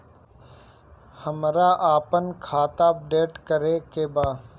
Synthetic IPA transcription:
həmɾaːʔaːpənkʰaːt̪aːəp̚ɖeːʈkəɾeːkeːbaː

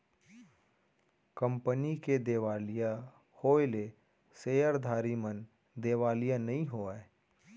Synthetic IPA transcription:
kə̃mpəniked̪eːʋaːlija | hoːele | seːjəɾd̪ʱaːɾimən | d̪eːʋaːlijanɐɦĩɦoːae

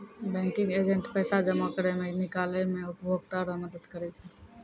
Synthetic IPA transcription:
bɛ̃ŋkiŋɡed͡ʒeɳʈpəjsad͡ʒəmakəɾɛmenikalɛmeupəbʱoɡ̚t̪aɾɔməd̪əd̪kəɾɛt͡ʃʰɛ

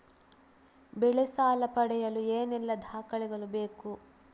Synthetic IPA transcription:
bɛɭisaːlɐpɐɽɛjɐlueːnɛlːɐd̪ʱaːkɐɭiɡɐɭubeːku

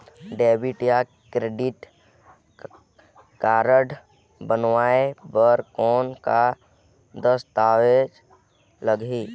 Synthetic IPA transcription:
ɖeːbiʈja | kɾeɖɪʈ | kaːɾəɖ | bənʋaːebəɾkɔːnka | d̪əst̪aːʋed͡ʒ | ləɡi

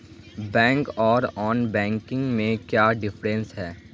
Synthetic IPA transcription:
bɛ̃ːŋkɔːɾɔːnbɛ̃ːŋkɪ̃ŋɡmẽkjaːɖɪfɾɛ̃nsɦɛː

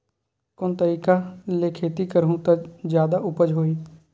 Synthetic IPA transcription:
kont̪əɾiːkalekʰeːt̪ikəɾɦũt̪əd͡ʒjaːd̪aʔʊpəd͡ʒɦoːiː

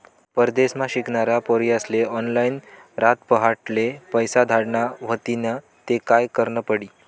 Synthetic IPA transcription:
pəɾd̪esmãɕikɳaɾapoɾiːəsleʔɔnlain | ɾat̪pəɦaʈlepəjsad̪ʱaɽɳaʋ̤ət̪inə | t̪ekajkəɾɳəpəɽiː

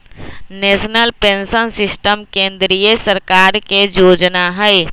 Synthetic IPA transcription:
neːsnəlpẽnsənsɪsʈəmkẽːnd̪ɾijəsəɾkaːɾkejoːd͡ʒnaɦɛɪ

